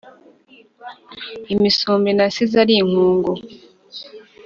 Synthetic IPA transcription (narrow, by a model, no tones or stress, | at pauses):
imisuːmbinasizaɾiŋ̥uːŋɡo